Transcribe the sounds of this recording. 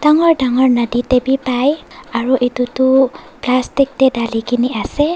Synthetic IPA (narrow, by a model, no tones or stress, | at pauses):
d̥aŋɔɹdaŋɔɹnaditebipajaɹuʔitutu | plastik̚tɛdalikʰiniasɛ